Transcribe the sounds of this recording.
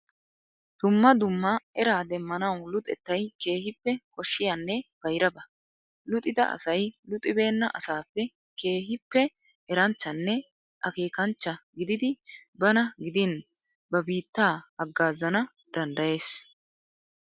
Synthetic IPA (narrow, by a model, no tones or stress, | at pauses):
d̪̥ʊmːɐd̪ʊmːɐʔɛɾaːd̪ɛmːɐnɐwlʊt̪ʼɛt̪ːɐjke̞ːhɪpːɛkɔʃːɪjɐnːɛb̥ɐjɾɐbɐ | lʊt̪ʼɪd̪ɐ̰ʔɐ̰sɐjlʊt̪ʼɪbe̞ːnːɐʔɐsaːpːɛ | ke̞ːɦɪpːɛ | ɛɾɐnt͡ʃːɐnːɛ | ʔɐke̞ːkɐnt͡ʃːɐɡɪd̪ɪd̪ɪbɐnɐɡɪd̪ɪn | bɐbiːt̪ːaːɐɡːaːzːɐnɐ | d̪̥ɐnd̪ɐje̞ːs